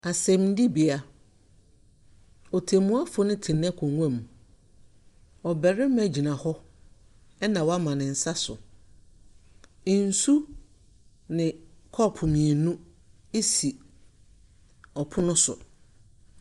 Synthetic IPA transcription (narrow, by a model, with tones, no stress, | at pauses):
a˨sɛ̃˨mn̩˦di˦bi˨a˨ | ɔ˨tʰe˨mũ˦a˦fʊ˦nɪ̃˦tʰɪ̃˨n˦ɛ̃˦kʰɔ̃˨ŋʷã˦m˨ | ɔ˨bɛ˨ɾɪ˦mæ̃˨d͡ʑi˨nã˨hɔ˦ | ɛ˦nã˨wa˦mã˨nɪ̃˨n̩˨sa˦sʊ̰˨ | n̩˨˦su˦ | nɪ̃˨kʰɔ˦˨pʰʊ˨mĩ˨e˨nũ˦ | e˦si˨ | ɔ˨pʰʊ˦nʊ̃˦sʊ̰˨